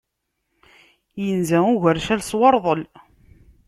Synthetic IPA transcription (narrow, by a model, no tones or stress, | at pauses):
jənzæʊʝəɾʃælswɑɾˤðˤəl